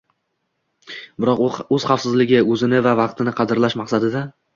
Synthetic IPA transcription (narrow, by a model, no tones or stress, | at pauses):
bɪɾɒqɵz̥χɑfsɪzlɪɡʲɪɵzɪnɪvavɑqt̪ʰɪnɪqʰɑd̪ɪɾlaʃmɑqsad̪ɪd̪a